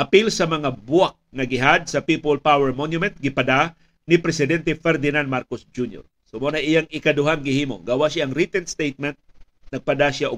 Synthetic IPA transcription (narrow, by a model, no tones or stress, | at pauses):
ʔɐpilsɐmɐŋabʊak̚ŋɐɡɪɦad̪̚sɐpipolpawɛɹmonjʊmɛnt̪̚ɡɪpɐd̪a | nɪpɾɛsɪd̪ɛnt̪ɛfɛɾd̪ɪnand̪maɾkosd͡ʒunjo̰ɹ | somonaʔɪjaŋɪkad̪ʊɦaŋɡɪhiːmoɡawaʔʃaʔːŋɾit̪ɛnst̪ejt̪̚mɛnt̪̚ | nɐɡ̚pɐd̪aʃaʔʊ